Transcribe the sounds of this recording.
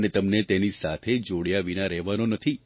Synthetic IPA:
net̪əmnet̪enisat̪ʰed͡ʒoɽjaʋinaɾɛɦʋanonət̪ʰi

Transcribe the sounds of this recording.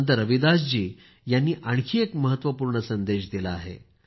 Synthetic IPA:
nt̪̬əɾəʋid̪asd͡ʑiː | janːiːʔaɳ̃kʰiːekməɦət̪ʋəpuːɾɳəsənd̪eɕd̪ilaaɦḛ

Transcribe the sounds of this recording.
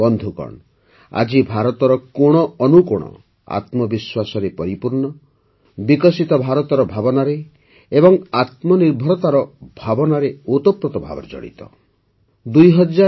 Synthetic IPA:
bɔnd̪ʱukɔ̰ɳ | a̰d͡ʒibʱaɾɔt̪ɔɾɔkoɽ̃ɔɔnukuɽ̃ɔ̰ | a̰t̪mɔbiswasɔɾepɔɾipuɾɳɔ | bikɔsit̪ɔbʱaɾɔt̪ɔɾɔbʱabɔnaɾe | ebɔŋat̪mɔniɾbʱɔɾɔt̪aɾɔbʱabɔnaɾeot̪ɔpɾɔt̪ɔbʱa̰bɔ̰ɾd͡ʒɔ̰ɽḭt̪ɔ̰ | d̪ujɦɔd͡ʒa

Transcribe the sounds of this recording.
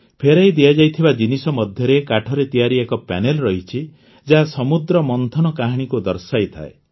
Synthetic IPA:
pʰeɾajd̪iad͡ʒajt̪ʰibad͡ʒinisɔmɔd̪ʱjɔɾekaʈʰɔɾet̪ijaɾiekɔpɛ̰nelɾɔɦit͡ʃʰi | d͡ʒaɦasɔmud̪ɾɔmɔnt̪ʰɔnɔkaɦaɽ̃ikud̪ɔɾsajt̪ʰa̰e

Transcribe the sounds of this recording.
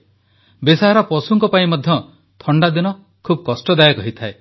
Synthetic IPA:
besaɦaɾɔpɔsuŋkɔpaĩmɔd̪ʱjɔ | t̪ʰɔɳɖad̪inɔ | kʰubkɔsʈɔd̪ajɔkɔɦit̪ʰae

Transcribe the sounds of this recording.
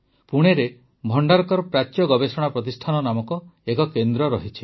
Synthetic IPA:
puɽ̃eɾe | bʱɔɳɖaɾɔkɔɾɔpɾat͡ʃːjɔɡɔbesɔɽ̃apɾɔt̪isʈʰanɔnamɔkɔekɔkend̪ɾɔɾɔɦit͡ʃʰi̥

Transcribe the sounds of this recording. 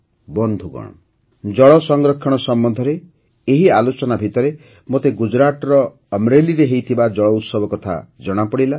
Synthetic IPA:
bɔnd̪ʱuɡɔ̰ɽ̃ɔ̰ | d͡ʒɔɭɔsɔŋɡɾɔkʰːɔɽ̃ɔsɔmbɔnd̪ʱɔɾeː | ɦialot͡ʃɔnabʱit̪ɔɾe | mot̪eɡud͡ʒɾaʈɔɾɔː | mɾeliɾeɦejt̪ʰibad͡ʒɔɭɔut̪sɔbʱɔkɔt̪ʰa̰d͡ʒɔɽ̃apɔɽila

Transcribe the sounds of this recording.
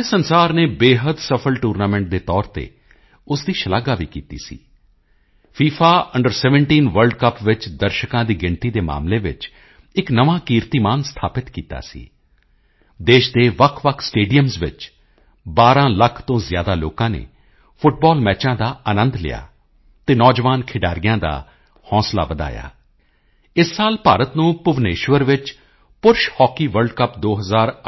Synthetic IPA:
esənsaːɾneːbeːɦəd̪səpʰəlʈuːɾnaːmɛ̃ɳʈ̚d̪eːt̪ɔːɾt̪ḛː | ʊsd̪iːʃəlaːɡaːʋiːkiːt̪ḭːsḭː | pʰiːpʰaːʔəɳɖəɾsɛːʋəɳʈiːnʋəɾlɖkəpʋɪt͡ʃd̪əɾʃəkãːd̪iːɡɪɳt̪iːd̪eːma̰ːmleːʋɪ̰t͡ʃ | ɪknəʋãːkiːɾt̪iːmaːnst̪ʰaːpɪt̪kiːt̪a̰ːsḭː | d̪eːʃd̪eːʋəkʰʋəkʰsʈeːɖijəmzʋɪ̰t͡ʃ | baːɾãːləkʰt̪õːzɪjaːd̪aːloːkãːnḛː | pʰʊʈ̚bɔːlmɛːt͡ʃãːd̪aːʔənə̃nd̪lɪ̰ja̰ː | t̪eːnɔːd͡ʒʋaːnkʰɪɖaːɾɪjãːd̪a̰ː | hɔ̃ːsla̰ːʋəd̪a̰ːja̰ː | ɪsːaːlpaːɾət̪nũːpʊʋneːʃʋəɾʋɪt͡ʃ | pʊɾʃhɔːkiːʋəɾɖkəpd̪oːɦəzaːɾ

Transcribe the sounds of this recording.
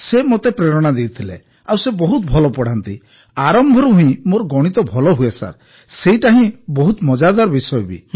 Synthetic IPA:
semot̪epɾeɾɔɽ̃ad̪ewt̪ʰilḛ | awsebɔɦut̪̚bʱɔlɔpɔɽ̤ant̪ḭ | aɾɔmbʱɔɾuɦĩmoɾɔɡɔɽ̃it̪ɔbʱɔlɔɦuesa̰ɾ | seiʈaɦĩbɔɦut̪mɔd͡ʒad̪aɾɔbisɔjbḭ

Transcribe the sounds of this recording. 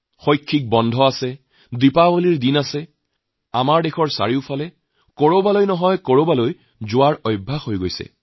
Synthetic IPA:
xojkʰːik̚bɔndʱɔasɛ | dipawoliɹdinasɛ | amaɹdexʰɔɹsa̰ɹiʊpʰalɛ | koɹobalojnɔɦɔjkoɹobaloj | zʊwaɹɔjbʱːaxojɡojsɛ̰

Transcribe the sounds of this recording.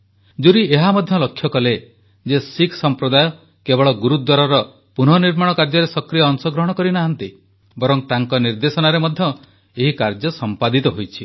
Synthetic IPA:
d͡ʒuɾieɦamɔd̪ʱjɔlɔkʰjɔkɔle | d͡ʒesikʰsɔmpɾɔd̪ajɔ | kebɔɭɔɡuɾud̪waɾɔɾɔ | pun̤ɔniɾmaɽ̃ɔkaɾd͡ʒɔɾesɔkɾijaːŋsɔɡɾɔɦɔɽ̃ɔkɔɾinaɦɔnt̪i | bɔɾɔŋt̪aŋkɔniɾd̪esɔnaɾemɔd̪ʱjɔ | eɦikaɾd͡ʒɔsɔmpad̪it̪ɔɦojt͡ʃʰi

